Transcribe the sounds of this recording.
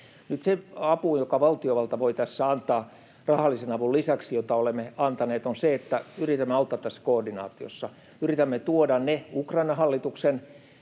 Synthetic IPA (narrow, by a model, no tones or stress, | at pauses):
nyt̪seɑpujokɑʋɑlt̪ioʋɑlt̪ɑʋoit̪æsːæɑnt̪ɑː | rɑhɑlːˑisenɑʋullisæksijot̪ɑolemːeɑnt̪ɑneːt̪onseet̪ːæyrit̪æmːeɑut̪ːˑɑːt̪ːæsːæ̥koːrdinɑ̰ːt̪io̰sːɑ | yrit̪æmːet̪uodɑnneukrɑinɑhɑlːit̪uksen